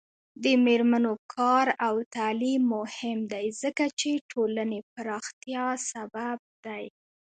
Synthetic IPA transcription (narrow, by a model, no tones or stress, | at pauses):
d̪əmeɾmanokʰɑɾawt̪alimːohɪmd̪ajzəkat͡ʃeʈʰolanepaɾɑxt̪jɑsabab̚d̪aj